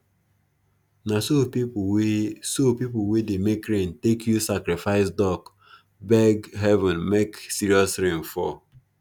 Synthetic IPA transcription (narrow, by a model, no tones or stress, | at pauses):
nasopi | sopipʊwedemekɾentekʰjusakɾifaɪsdɔk | bɛɡɦɛvɛ̃nmeksiɾiɔsɾẽmfɔ